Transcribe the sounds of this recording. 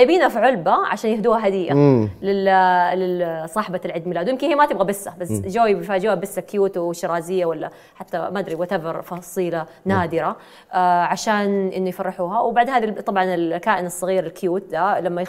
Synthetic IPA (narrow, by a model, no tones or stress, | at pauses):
jbiːnafiʕʊlbaʕa̰ʃaːnjɪhd̪uːhaɦad̪ijʔa̰lɪllɪsˤɑːħbalʕɪd̪mɪlaːd̪wjɪmkɪnhiːmat̪ɪbɣabɪsːabasd͡ʒoːjbjfaːd͡ʒuːhabɪsːakːɪjuːt̪wɪʃɑɾˤɑːzɪjːawalːa | ħat̪ːamaːd̪ɾiwat̪abɑɾˤfɑsˤiːla | naːd̪ɪɾa | ʕaʃaːnʔɪnːujfɑrˤːɑħuːhawbaʕd̪eːnaːðit̪ˤːɑbʕɑnɪlkaːʔɪnɨsˤːɑɣiːɾɪlkjuːt̪̚d̪alamːaj